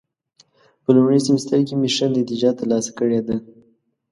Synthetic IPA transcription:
pəlumɽizɪməst̪əɾkemiʃand̪əd̪ɪd͡ʒɑt̪əɾlɑsḁkəɽed̪a

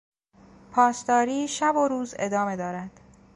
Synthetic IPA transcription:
pʰɒːsd̪ɒːɾiːʃæboɾuːze̞̰d̪ɒːme̞d̪ɒːɾæd̪̥

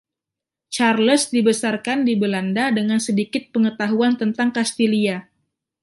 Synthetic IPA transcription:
t͡ʃarləsdibəsarkandibəlandadəŋansədikɪt̪̚pəŋət̪aɦuant̪ənt̪aŋkast̪ilia

